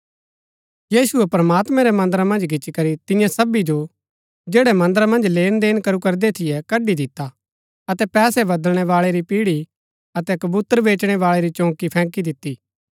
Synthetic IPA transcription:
jiːsʊɛpɾɐmaːt̪mɛ̃ɾɛmɐ̃nd̪əɾamɐ̃nd͡ʒɡɪt͡ʃːikɐɾit̪ɪ̃jãsɐbid͡ʒo | d͡ʒeːɽɛmɐ̃nd̪əɾamɐ̃nd͡ʒleːnd̪eːnkɐɾukɐɾd̪et̪ʰɪjɛkɐɖːid̪ɪt̪a | ɐt̪ɛpɛːsɛbɐd̪əlɽ̃ɛʋaːɭeɾipiːɽi | ɐt̪ɛkɐbuːt̪əɾʋeːt͡ʃɽ̃ɛʋaːɭɛɾit͡ʃõːkipʰɛ̃ːkid̪ɪt̪ːiː

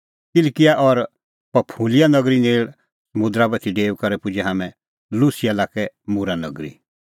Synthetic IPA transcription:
kɪlkɪjaʔɔɾ | pɐpʰulɪjanɐɡɾineːɭ | sɐmʊ̃d̪ɾabɐt̪ʰiɖeːkɐɾɛpʊd͡ʒɛɦaːmɛ̃ | lusɪjalaːkɛmuɾanɐ̰ɡɾḭ

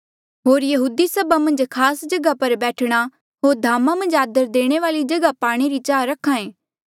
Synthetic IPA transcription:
ɦoːɾjɐɦuːd̪isɐbamɐ̃nd͡ʒkʰaːsd͡ʒɐɡapɐɾbɛːʈʰɽ̃a | ɦoːɾd̪ʱaːmãmɐ̃nd͡ʒaːd̪əɾd̪eːɽ̃eʋaːlid͡ʒɐɡapaːɽ̃eɾit͡ʃaːɾɐkʰːãːẽː

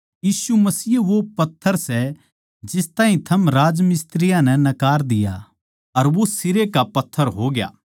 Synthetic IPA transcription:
jiːsumɐsiːʋopɐt̪ʰːəɾsɛ | d͡ʒɪst̪ãːɦĩt̪ʰɐmɾaːd͡ʒmɪst̪ɾɪjãnɛ̃nɐkaːɾd̪ɪja̰ | ɐɾʋosɪɾekapɐt̪ʰːəɾɦoːɡɪja̰ː

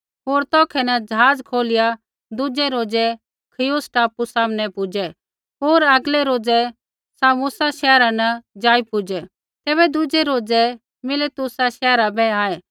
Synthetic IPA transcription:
ɦoːɾt̪ɔːkʰɛnɐd͡ʒɦaːd͡zkʰoːlɪja | d̪ʊd͡ʒɛɾoːd͡zɛ | kʰɪjosʈaːpusaːmnɛpʊd͡ʒɛ | ɦoːɾɐɡlɛɾoːd͡zɛ | sãːũmʊsaʃɛːɾanɐd͡ʒaːipʊd͡ʒɛ | t̪ɛːβɛd̪ʊd͡ʒɛɾoːd͡zɛ | mɪlet̪ʊsaʃɛːɾabʱɛaːɛ

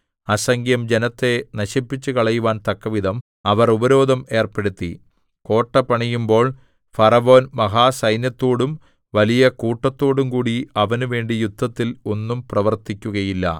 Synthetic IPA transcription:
ɐsɐŋɡjɐmd͡ʑe̞nɐt̪ːe̞nɐɕipːit͡ɕːukɐɭɐjuʋaːnt̪ɐkːɐʋid̪ʱɐm | ɐʋɐrubɐɾo̞ːd̪ʱɐme̞ːrpe̞ɽut̪ːḭ | ko̞ːʈːɐpːɐɳijumbo̞ːɭ | fɐrɐʋo̞ːnmɐɦaːsɐjnjɐt̪ːo̞ːɽum | ʋɐlijɐkuːʈːɐt̪ːo̞ːɽumkuːɽiɐʋɐnuʋe̞ːɳɖijud̪ʱːɐt̪ːilo̞nːumprɐʋɐrt̪ikʲːuɣɐjilːɐ̰

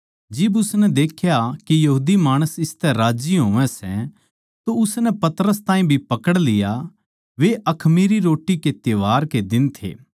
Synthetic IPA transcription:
d͡ʒɪbʊsnɛd̪eːkʰjakijɐɦuːd̪imaːɽ̃əsɪst̪ɛɾaːd͡ʒiɦõːʋɛ̃sɛ | t̪oʊsnɛpɐt̪əɾəst̪ãːĩbʱipɐkəɽlɪja | ʋeʔɐkʰmiːɾiɾoːʈiket̪eʋaːɾked̪ɪnt̪ʰḛː

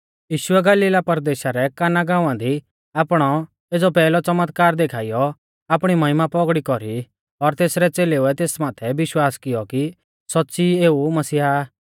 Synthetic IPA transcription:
jiːʃʊɛɡaːliːlapɐɾd̪eːʃaɾɛkaːnaɡãːʊ̃ãd̪i | aːpɽ̃ɔ | eːd͡zɔpɛːlɔt͡sɐmət̪kaːɾd̪ekʰaːijɔ | aːpɽ̃imɐɦɪmapɔɡɽikɔɾi | ɔɾt̪eːsɾɛt͡seːleuɛt̪eːsmaːt̪ʰɛbɪʃwaːskɪjɔki | sɔtːsieːumɐsiːa

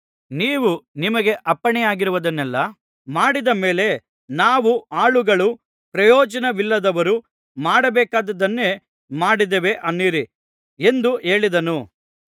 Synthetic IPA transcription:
niːʋunimɐɡe̞ʔɐpːɐɳɛjaːɡiɾuʋɐd̪ɐnːɛlːɐ | maːɽid̪ɐmeːle̞ | naːʋuaːɭuɡɐɭu | pɾɐjɔːd͡ʒɐnɐʋilːɐd̪ɐʋɐɾu | maːɽɐbɛːkaːd̪ɐd̪ɐnːe | maːɽid̪eʋe̞ʔɐnːiːɾi | e̞nd̪ueːɭid̪ɐnu

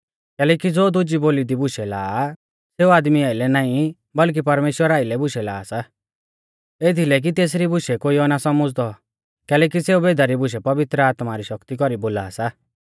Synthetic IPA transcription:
kɛːlɛːkid͡zoːd̪ʊd͡ʒiboːlid̪ibʊʃɛla̰ː | seːuaːd̪miaːilɛnaːĩ | bɐlk̬ipɐɾmeːʃwəɾaːilɛbʊʃɛlaːsa | eːt̪ʰilɛk̬it̪eːs̬ɾibʊʃɛkoːiɔnasɔməd͡zt̪ɔ | kɛːlɛːk̬iseubeːd̪aɾibʊʃɛpɐʋɪt̪ɾəaːt̪maɾiʃɐkt̪ikɔɾiboːla̰ːsa

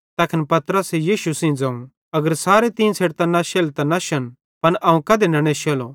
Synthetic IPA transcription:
t̪ɐːkʰɪnpɐt̪ɾəsejiːʃusĩd͡zãːũ | ɐɡəɾsaːɾet̪ĩːnsʰeːɽt̪ãnɐʃeːlt̪ɐnaʃɐn | pɐnʔɐːũkɐd̪enɐɽ̃eʃeːlo̰

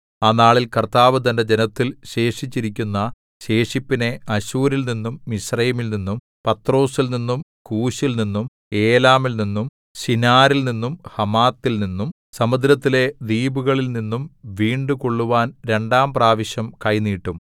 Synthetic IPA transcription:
anaːɭilkɐrt̪aːʋɨt̪̬ɐnde̞d͡ʑenɐt̪ːilɕe̞ːʂit͡ɕːiɾik̬ʲːunːɐ | ɕe̞ːʂipːine̞ʔɐɕuːɾilninːumːisrɐjɐmilninːum | pɐt̪ro̞ːsilninːumkuːɕilninːum | e̞ːlaːmilninːum | sinaːɾilninːumhɐmaːt̪ːilninːum | sɐmɐd̪ɾɐt̪ːile̞d̪iːbuɣɐɭilninːumʋiːɳɖukoɭːuʋaːnɾe̞ɳɖaːmpraːʋiɕjɐmkɐjniːʈːum

